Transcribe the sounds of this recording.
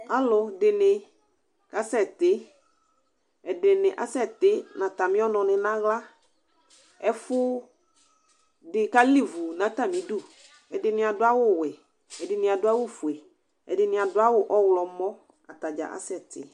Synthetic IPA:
a˦lʊ˨dɪ˨nɪ˨ | ka˦sɛ˦˨tɪ˦ | ɛ˨dɪ˨nɪ˨ʔa̰˨sɛ˦˨tɪ˨˦nã˨ta˨mɪ̃˦ɔ˦nɔ̃˨nɪ˨nã˦ɣla˦ | ɛ˦fʊ˦ | dɪ˨ka˦li˦vu˨nã˨˦ta˦˨mĩ˨˦dʊ˦˨ | ɛ˨dɪ˨nɪ̃˨a˨dʊ˦a˦wʊ˦˨wɛ˨ | ɛ˨dɪ˨nɪ̃˨a˨dʊ˦a˦wʊ˦fu˨ɛ˨ | ɛ̰˨dɪ˨nɪ̃˨a˨dʊ˦a˦wʊ˦ʔɔ˦wlɔ˨mɔ˦ | a̰˨ta˨d͡ʒa̰˨ʔa̰˦sɛ˦˨tɪ̰˨

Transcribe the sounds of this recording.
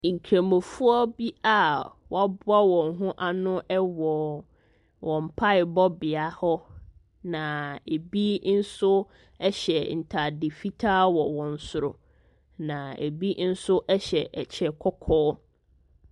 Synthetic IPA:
ŋ̩˨kʰɾã˨mõ˨fʊ˦ɔ˦bi˦a˨wa˦bʊ˦a˦wɔ̃˨ŋɦʊ̃˦ʔa˦nʊ̃˦ʔɛ˦wɔ˨ | wʔɔ̃˨m̩˨pʰa˦ɪ˨bɔ˦bɪ˨a˨hɔ˦ | nã˨e˨bi˦n̩˦sʊ˦ | ɛ˦ɕɛ˨n̩˨tʰa˨dɪ˨fi˦tʰaː˦wɔ˨wɔ̃˨n̩˨sʊ˨ɾʊ̰˨ | nã˨ḛ˨bi˦n̩˦sʊ˦ʔɛ˦ɕɛ˨ʔɛ˨t͡ɕʰɛ˨kʰɔ˦kʰɔː˦

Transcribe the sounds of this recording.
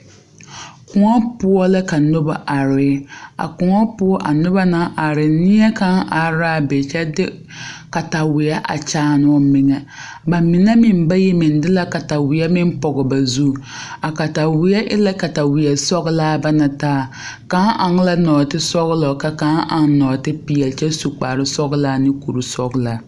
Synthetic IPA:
kʰʊ˨ŋɔ˦pʊ˦ɔ˦la˦ka˨nʊ˦ba˨ʔa˨ɾɪ˨˦a̰˨kʊ˨ŋa˦pʊ˦ɔ˦ʔa˨nʊ˦ba˦na˦ʔa˨ɾɪ˨nɪ˦ɛ˦ka˨˦ŋʔa˨ɾaː˦˨be˨t͡ʃɛ˦dɪ˦ | ka˨ta˨wɪ˨ɛ˦ʔa̰˨t͡ʃaː˦˨nɔ˦mɪ˨ŋɛ˨ | ba˨mɪ˨na˦mɪ˨m˦ba˦jɛ˦mɪ˨ndɪ˦la˦ka˨ta˨wɪ˨ɛ˦mɪ˦m˦pɔ˨ɡɔ˨ba˨zu˦˨ | a˨ka˨ta˨wɪ˨jɛ˦ʔɪ˦la˦ka˨ta˨wɪ˨jɛ˨sɔ˦ɣlaː˦ba˦na˨taː˦˨ | ka˦ʔa˨ŋ˦la˦nɔː˨tɪ˦sɔ˦ɣlɔ˨ka˦ka˨˦ŋʔa˨ŋnɔː˨tɪ˦pɪ˨jɛ˨lt͡ʃɛ˦su˨k͡pa˨ɾɪ˦sɔ˦ɣlaː˦nɪ˦ku˨ɾu˨sɔ˦ɡla˨

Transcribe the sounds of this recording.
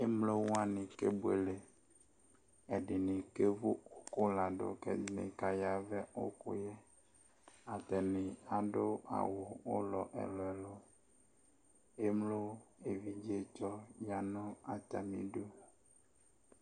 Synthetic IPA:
e˦mlo˦wo˦a˦nĩ˨ke˦bu˦ḛ˨le˨ | e˨ɖi˨nĩ˨ke˦vo˦o˦ko˦la˨ɖo̰˨kḛ˦˨nḭ̃˨ka˨ja˨vɛ˦o̰˦ko̰˦je˦ | a˨t̪ɛ˨nĩ˨a˨ɖo˦a̰˨wo˨o̰˦lɔ˨ʔɛ̰˨lɔ˨ɛ˨lo˨ | e˦mlo˦e˨vi˨d͡ʒi˦e˦t͡ʃɔ˦ja˨nɔ̃˦a˨t̪a̰˨mḭ̃˨ɖo˦

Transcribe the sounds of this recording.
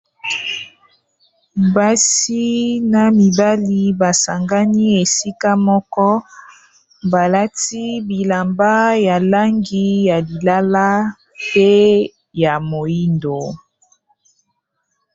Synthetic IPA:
ba˦si˦na˨mi˨ba˦li˨˦ba˨sa˨ŋɡa˦ni˦e˨si˦ka˦mɔ˦kɔ˦ | ba˨la˦ti˦bi˨la˨mba˦ja˨la˦ŋɡi˦ja˨li˨la˦la˦ | pe˦ | ja˨mo˨ji˦ndo˨

